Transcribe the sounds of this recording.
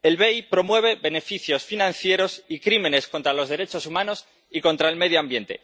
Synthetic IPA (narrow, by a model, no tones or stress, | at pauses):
e̞lβe̞jpɾo̞mwe̞β̞e̞βe̞ne̞fiθjo̞sfinãnθje̞ɾo̞sikɾimẽ̞ne̞sko̞nt̪ɾalo̞zðe̞ɾe̞t͡ʃo̞sumãno̞s | iko̞nt̪ɾaelme̞ð̞joambje̞nt̪e̞̰